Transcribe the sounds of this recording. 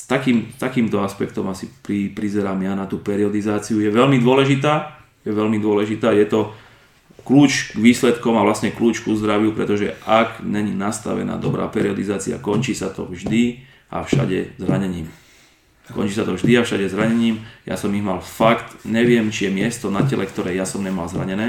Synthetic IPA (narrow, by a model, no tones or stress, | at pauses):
st̪akiːmt̪akiːmt̪ɔaspɛkt̪ɔmasipɾipɾizɛɾaːmjanat̪uːpɛɾiɔd̪izaːt͡siujɛʋɛʎmid̪ʊɔlɛʒit̪aː | jɛʋɛlmid̪ʊɔlɛʒit̪aːjɛt̪ɔ | kluːt͡ʃɡʋiːslɛt̪kɔmaʋlasɲɛkluːt͡ʃkuzd̪ɾaʋjupɾɛt̪ɔʒɛ̰akɲɛɲinast̪a̰ʋɛ̰na̰ːd̪ɔbɾa̰ːpɛɾiɔd̪izaːt͡sia̰kɔnt͡ʃiːsat̪ɔ̰vʒd̪i | ʔa̰fʃa̰ɟɛ̰zɾaɲɛɲiːm | kɔ̰nt͡ʃiːsat̪ɔvʒd̪iafʃaɟɛzɾaɲɛɲiːmja̰sɔmiɣmalfakt̪ɲɛʋɪɛmt͡ʃijɛmɪɛst̪ɔnacɛlʔɛkt̪ɔɾɛːjasɔmɲɛmalzɾa̰ɲɛnɛː